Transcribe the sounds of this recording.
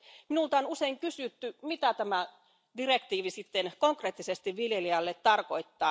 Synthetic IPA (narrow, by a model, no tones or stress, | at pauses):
minult̪ɑonuseiŋkysyt̪ːymit̪æt̪æmæ | direkt̪iːʋisit̪ːenkoŋkreːt̪ːisest̪iʋʋiljeliɑlːet̪t̪ɑrkoit̪ːɑː